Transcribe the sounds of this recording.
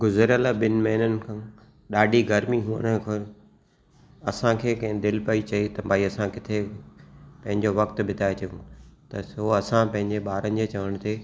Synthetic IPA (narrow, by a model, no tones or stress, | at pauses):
ɡʊzəɾalaɓɪnɪ̆mɐɦɪnənɪ̆kʰãː | ɗaːɖʱiɡɐɾmiɦuːə̰ñəkʰʊɾ | ɐsãkʰeːkɐ̃ɦɪ̃d̪ɪlpɐit͡ɕɐet̪ɐbʱaːiɐsãkɪt̪ʰe | pɐ̃ɦɪ̃ɲd͡ʑoʋɐk̚t̪̆bʱɪt̪aːet͡ɕɐjũːt̪ɐsoɐsãpɐ̃ɦɪ̃ɲd͡ʑeɓaːɾənɪ̆d͡ʑet͡ɕɐʋəɽ̃t̪ʰeː